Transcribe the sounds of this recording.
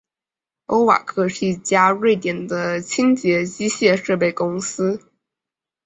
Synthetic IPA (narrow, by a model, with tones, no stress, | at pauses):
o˥ʊwa̰˨˩kʰɤ˥˧ʂɻ̩˥˩i˥˩t͡ɕja˥ɻwe˥˩ɪt̪jɛ˨˩nd̪ə˦t͡ɕʰi˥ŋt͡ɕjɛ˧˥t͡ɕi˥ɕjɛ˥˧ʂɤ˥˧p̬e˥˩ɪkʊ˥ŋsɹ̩˥